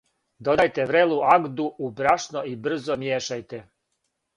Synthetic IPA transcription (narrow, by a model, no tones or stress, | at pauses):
d̪od̪ajt̪eʋɾeluʔaɡd̪uubɾaʃnoibr̩zomjeːʃajt̪e